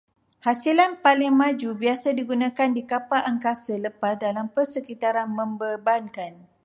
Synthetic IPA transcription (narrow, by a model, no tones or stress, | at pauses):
hasilanpalɪŋmãd͡ʒubiasadiɡunãkandikapaʔaŋkasələpasdalampərsəkit̪aɾanmə̃mbəbankan